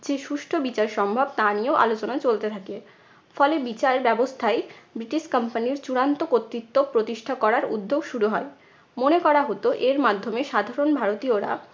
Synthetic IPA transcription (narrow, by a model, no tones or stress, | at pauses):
d͡ʑeʃuʃʈʰobit͡ɕaɾʃɔmbʱab̚t̪anioʔa̰lot͡ɕonat͡ɕolt̪et̪ʰake | fɔlebit͡ɕaɾbɛbost̪ʰaebɾiʈiʃkəmpaniɾt͡ɕuɾant̪okot̪ːɾit̪ːopɾot̪iʃʈʰakɔɾaɾṵd̪ʱːoɡʃuɾuɦɔe | monekɔɾaɦot̪oʔeɾmad̪ʱːomeʃad̪ʱaɾonbʱaɾot̪ioɾa̰